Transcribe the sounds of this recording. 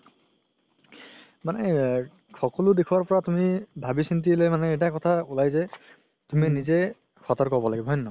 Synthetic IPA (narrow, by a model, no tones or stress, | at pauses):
manɛ | xʰɔkɔlʊdekʰuwaɹpɔɹatumibʱabisintilojmanɛɛjt̬akɔtʰaulajzɛ | tuminizɛ | xʰɔtɔɹkɔɹbɔlaɡibɔɦjnːɔ